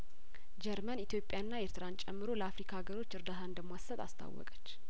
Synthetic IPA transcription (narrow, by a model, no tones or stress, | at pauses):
d͡ʒɛɾmənit̪ʰjo̞pʼːjaɨnːaeɾt̪ʰɨɾant͡ʃʼɛmːɨɾo̞ləafɾikʰaɡəɾo̞t͡ʃːɨɾd̪at̪aɨnd̪əmasːət̪a̰st̪ʰa̰wːɔ̰kʼə̥t͡ʃː